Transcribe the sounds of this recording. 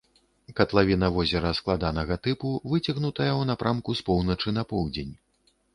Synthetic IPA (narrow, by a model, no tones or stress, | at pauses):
kɐt̪lˠavʲinɐvɔzʲɛɾɐsklˠad̪anɐɣɐt̪ɨpuvɨt͡sʲɐɣnut̪ɐjɐwnapɾʔamkuspɔwnɐt͡ʂɨnɐpɔwd͡zʲenʲ